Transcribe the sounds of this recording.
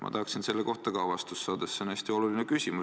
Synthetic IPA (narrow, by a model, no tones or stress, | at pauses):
mʔɑ̰t̪ɑɦɑksinse̞lːe̞ko̞ht̪ɑkɑwvɑst̪usːɑːd̪̥esːeonæsʲt̪io̞luline̞kysʲimu